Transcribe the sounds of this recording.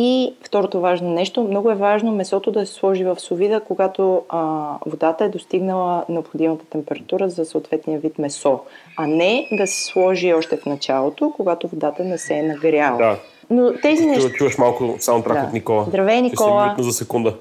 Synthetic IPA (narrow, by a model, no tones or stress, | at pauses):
ift̪ɔɾot̪ovaʒnonɛʃt̪omnɔɡʊɛvaʒnomɛsɔt̪od̪ɐsɛ̥slˠɔʒivɐfsovid̪əkoɡat̪o | vod̪at̪əɛd̪ost̪iɡnəlˠənɛopxod̪imɐt̪ə̥t̪ɛmpɛɾɐt̪uɾəzɐsɐot̪vɛt̪nijəvit̪mɛsɔ | ɐnɛd̪ɐsɛ̥slˠɔʒiɔʃt̪ɛfnɐt͡ʃalˠot̪okoɡat̪ovod̪at̪ənɛsɛnɐɡɾʲalˠəa | not̪ɛzinɛt͡ʃuvɐʃmalˠkʊsamot̪ɾad̪kaot̪nikɔlˠəzd̪ɾɐvɛnikɔlˠənozɐsɛkund̪ə